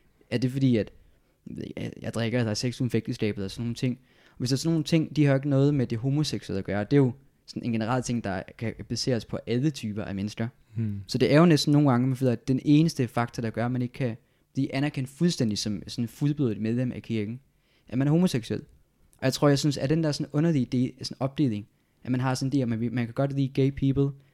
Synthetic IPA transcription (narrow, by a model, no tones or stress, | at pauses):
æɐd̥e̝fɒ̽d̥ḭːæd̥ | jɑ̈ɪd̥ʁeɡ̥ɐd̥ɑseɡ̥sumfeɡ̥̚d̥əsɡ̥ɛ̰ːb̥ð̩ˠɒsɒnːo̝ːnt͡sʰe̝ŋ̰ | ʋesd̥ɑɐsno̝ːnt͡sʰe̝ŋ̰d̥ihɑ̈e̝ɡ̥ənɔ̽ːð̞̩ˠmed̥e̝ɦo̝mo̝seɡ̥suḛl̰æɡ̥ɶːɐd̥e̝jo̝ | sɒ̽nʔe̝nɡ̥e̝nəʁɑ̈l̰t͡sʰe̝ŋ̰d̥ɑ̈kʰæb̥æse̝̰ːɐspʰɒ̽ʔælət͡sʰyːb̥ɐʔæmenəsɡ̥ɐ | sɒ̽d̥e̝æɐjo̝nesd̥n̩no̝ːnɡ̥ɑ̈ŋəmfeð̰ˠd̥ene̝ːnəsd̥əfɑ̈ɡ̥̚t͡sʰɐɾ̥ɑ̈ɡ̥ɶɐæmæne̝ɡ̥kʰæ | b̥liːʔænæɐkʰen̰d̥fulsd̥en̰d̥isɒ̽msɒ̽nfuðˠb̥oðˠðdˠmeð̞ˠlem̰ʔækʰiɐɡ̥n̩ | ʔæmænæɐho̝mo̝seɡ̥suel̰ | ʔɒjɑ̈ɪt͡sʰʁo̝ɐ̰jɑɪsynsæɐd̥end̥ɑæɐsɒ̽nɔ̽nɐlid̥e̝̰ːsɒnɒ̽b̥̚d̥e̝̰ːle̝ŋ | ʔæmænɦɑ̈sɒnd̥e̝ːmænʋe̝mænkʰæɡ̥ɒ̽d̥liːɡ̥eɪpʰiːbl̩ˠ